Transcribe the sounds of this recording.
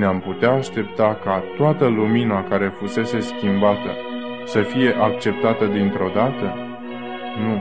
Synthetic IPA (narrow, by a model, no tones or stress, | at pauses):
neamput̪eaːʃt̪e̞pt̪akat̪oat̪əluminakaɾe̞fuse̞se̞skʲimbat̪ə̰ | səfije̞ʔak̚t͡ʃe̞p̚t̪at̪əd̪int̪ɾo̞d̪at̪ə | nu